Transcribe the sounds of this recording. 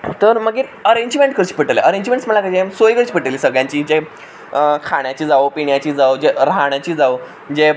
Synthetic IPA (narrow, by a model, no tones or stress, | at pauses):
t̪əɾməɡeəɾeɲd͡ʑmẽɳʈkʰəɾt͡ɕi̥ːpəʈəlḛʔəɾeɲd͡ʑmẽɳʈsməɭlakad͡ʑemsojɡəɾt͡ɕiːpəʈəliːsəɡɭjãɲt͡ɕiːd͡ʑe | kʰaɳjat͡ɕiːd͡zaopiɳjat͡ɕiːd͡zaod͡ʑeɾaɳ̃at͡ɕiːd͡zaʋ | d͡ʑe